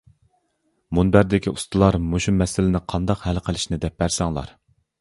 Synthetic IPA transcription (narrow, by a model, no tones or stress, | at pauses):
munbæɾd̪ɪkʲʰiʔust̪ʰɨlˠɑɾmoʃumːɛsɪlɪnɪqʰɑnd̪ɑqhɛlqʰəlˠɪʃnɪd̪ɛp̚bæɾsɑŋlˠɑ̰ɾ